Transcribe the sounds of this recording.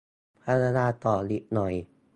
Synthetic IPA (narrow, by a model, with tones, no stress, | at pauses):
kʰaː˧˩la˧laː˧t̪ɔː˨˩li˦˥ʔnɔ˨˩j